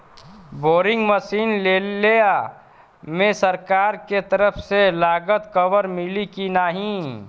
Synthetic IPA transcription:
boːɾɪ̃ŋɡməsiːnleːlea | mẽsəɾkaːɾket̪əɾəpʰselaːɡət̪kəwəɾmɪlikinaːɦĩ

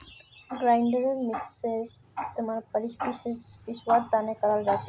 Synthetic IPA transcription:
ɡɾajɳɖeɾeɾmikseɾ | ist̪emaɾpəɾiʃbipiʃwaɾd̪anekaɾalɾat͡ɕʰe

